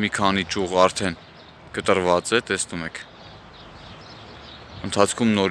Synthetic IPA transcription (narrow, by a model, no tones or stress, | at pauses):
mikʰɑnit͡ʃuʁɑɾt̪ʰɛn | kət̪əɾvɑt͡sɛt̪ɛsnumɛkʰ | ənt̪ʰɑt͡sʰkʰumnɔɾ